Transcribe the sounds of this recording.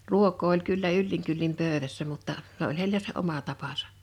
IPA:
ruokˑoː olʲ kylːæ ylːiŋ kylːim pøˑø̝ʋæsːæ mutːɑ se olʲ heilˑæ se omɑ tɑpɑsɑ̥

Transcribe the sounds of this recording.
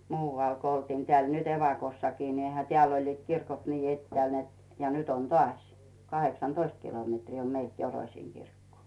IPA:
muːʋɑˑl ko oltiːn tĕæːl nyt eʋɑkosːɑkiː ni eihæ teæˑl olʲliːt kirkot niː etːĕæˑl net jɑ nyt on tŏɑˑsʲ kɑheksɑntoist kilometriː om meilt joroĭsiːŋ ɡ̊irkːoː

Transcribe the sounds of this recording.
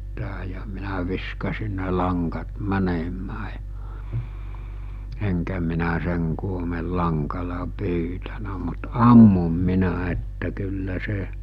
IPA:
tæː jɑ minæ ʋiskɑsin̆ ne lɑŋkɑt mænemæː jɑ̥ eŋkæ minæ seŋ kuomi̞l lɑŋkɑlɑ pyːtænæ mut ɑmːum minæ etːæ kylːæ se

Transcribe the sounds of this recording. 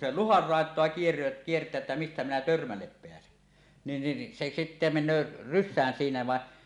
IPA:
se luhɑr rɑˑetˑoɑ kier kiertˑæː etːæ mistæ minæ tørmælːep peæsen nin nin se sitːe menˑøː rysˑæːn siːnæ ʋɑˑe

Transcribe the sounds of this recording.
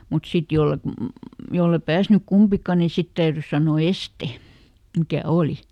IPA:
mut sit jolːet jolːe pæːsnyk kumpikɑ ni sit tæyrys sɑnoˑ este mikæ oˑli

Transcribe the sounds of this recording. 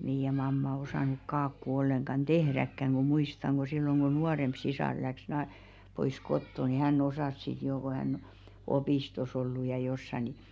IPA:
meij̆æ mɑmːɑ osɑˑnuk kɑːkːu olːeŋkɑn d̥ehrækːæŋ ɡ̊u muistɑŋ ɡ̊o silːoŋ ɡ̊o nuɑremp sisɑˑr læks nɑ pois kotːo ni hænː osɑˑs sit joː ko hæn opiˑstos olːu jɑ josːɑ ni

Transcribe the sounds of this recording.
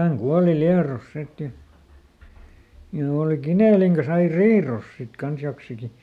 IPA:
hæŋ kuɑli liɑros sit jɑ jɑ oˑli kineˑliŋ kɑs ɑi riːroˑs sit kɑns joksiki

